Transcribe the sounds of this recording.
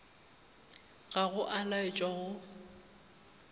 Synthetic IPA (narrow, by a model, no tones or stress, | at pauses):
ɣaɣʊʔalaɪt͡ʃʼaɣʊ